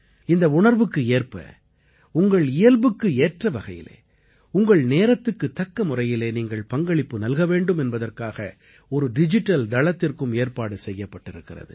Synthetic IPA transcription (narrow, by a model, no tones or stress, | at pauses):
ɪnd̪ɐʊɳɐɾʋɯkːɯeːrpɐ̰ | ʊŋɡɐɭɪjɐlbɯkːɯeːʈrɐʋɐɣɐjɪ̰lḛː | ʊŋɡɐɭneːɾɐt̪ːɯkːɯt̪ːɐkːɐmʊrɐjɪleːniːŋɡɐɭpɐŋɡɐɭɪpːɯnɐlɣɐʋeːɳɖɯmɛnbɐðɐrkaːɣɐ | ɔɾɯɖɪd͡ʒɪʈːɐld̪ɐɭɐt̪ːɪrkɯmeːrpaːɽɯsɛjːɐpːɐʈːɪɾɯkːɪrɐ̰ðɯ̰